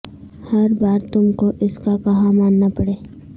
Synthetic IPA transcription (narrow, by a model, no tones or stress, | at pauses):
hɐɾbaːɾt̪ʊmkoʔɪskakɐɦãmaːnːapɐɽeː